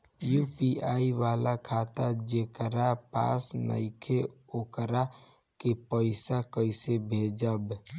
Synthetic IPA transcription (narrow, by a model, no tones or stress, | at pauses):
jupiaiʋalakʰat̪ad͡ʒekəɾapa̰snə̰ɪkʰeokɾa | kepəɪsakəɪsebʱed͡ʒəb